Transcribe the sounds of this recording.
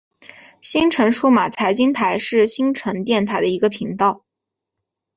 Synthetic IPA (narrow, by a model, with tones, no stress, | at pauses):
ɕi˥nʈ͡ʂʰɤ˧˥ŋʂu˥ma˨˩t͡sʰa˧˥ɪt͡ɕi˥ŋt̪ʰa˧˥ɪʂɻ̩˥˩ɕi˥nʈ͡ʂʰə˧˥ŋt̪jɛ˥˩nt̪ʰa˨˩ɪd̪ə˧i˧˥ɡə˧pʰi˧˥ŋt̪ɑ˥˩ʊ